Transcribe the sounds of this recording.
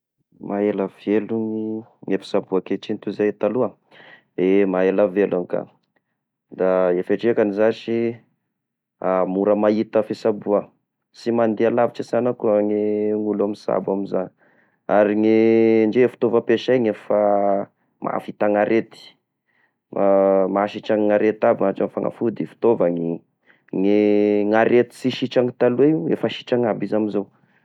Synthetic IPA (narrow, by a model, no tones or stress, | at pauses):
mʔaelaveluŋiŋefi̥sabuakeʈ͡ʂint̪uzajt̪alua | emaelavelaŋka̰ | d̪aefaʈ͡ʂekanizaʃi | amuɾəmait̪əfisabuə | simand̪ealaviʈ͡ʂizanakuŋiŋulamisa̰bamizani | aɾiŋeɳd͡ʒefi̥t̪ovəpeʃajŋefa | mʔa̰fit̪aŋaɾʔet̪i̥ | amaʃiʈ͡ʂaŋŋaɾet̪abiŋaʈ͡ʂamfaŋa̰fud̪ifi̥t̪ovaŋi | ŋeŋaɾet̪i̥siʃit͡ʃaŋit̪alueuḛfəʃi̥ʈ͡ʂaŋabizamizow